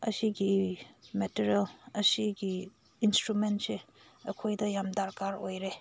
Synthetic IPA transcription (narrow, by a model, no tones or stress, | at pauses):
ɐ̰siɡimetiɾelɐsiɡi | instɾumentse | ɐkʰojdɐjamdaɾkaɾojɾe